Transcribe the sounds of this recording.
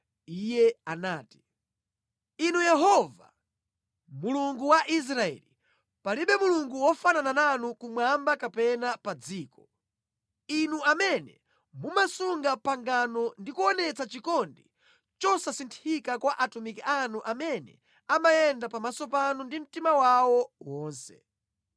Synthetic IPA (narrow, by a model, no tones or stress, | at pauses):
ijɛanaːti̥ | inujɛɦɔva | muluŋɡuwaʔis̬ɾaɛ̰li | paliɓɛmuluŋɡuwɔfananananukumwambakapɛnapad͡ziːkɔ | inuamɛnɛ | mumasuŋɡapaŋɡanɔndikuɔnɛt͡sat͡ʃikɔndi | t͡ʃɔsasintʰikakwaʔatumikiʔanuʔamɛnɛ̰ | amajɛndapamasɔpanundim̩timawawɔwɔːnsɛ̰